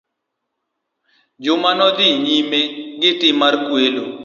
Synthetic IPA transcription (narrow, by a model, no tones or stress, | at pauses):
d͡ʒumanod̪iːniːmẽːɡɪʈiːməɾkueːloː